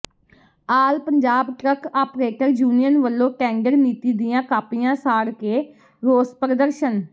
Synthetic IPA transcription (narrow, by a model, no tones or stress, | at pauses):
aːlpəɲd͡ʒaːbʈɾəkapɾeːʈəɾd͡ʒuːnijənʋəlːõːkɛ̃ːŋɡəɾniːt̪iːd̪ɪjãːkaːpɪjãːsaːɽkeː | ɾoːspɾəd̪əɾʃən